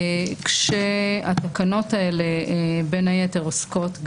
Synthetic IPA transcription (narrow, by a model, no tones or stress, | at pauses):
kʃeat̪akano̞tae̞le̞be̞najete̞ʁosko̞tɡ